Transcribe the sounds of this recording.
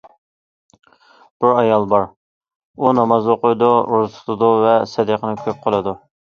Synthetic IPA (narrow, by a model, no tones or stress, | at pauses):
b̥uɾɑjɑlˠbɑɾ | unɑmɑzoqʊjd̪uʔuɾt̪ʰu̥t̪ʰʊd̪uvɛsɛd̪eqʰənɪkʲʰøp̚qʰəlˠɨd̪u